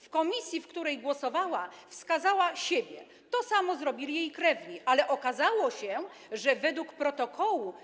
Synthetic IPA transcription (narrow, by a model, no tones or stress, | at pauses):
fkɔmʲisʲjifkt̪uɾɛjɡwɔsɔvawafskazawaɕebʲjɛ | t̪ɔsamɔzɾɔbʲilʲijejkɾɛvɲiʔalɛʔɔkazawɔɕɛ | ʐɛvɛd̪wukpɾɔt̪ɔkʰɔwu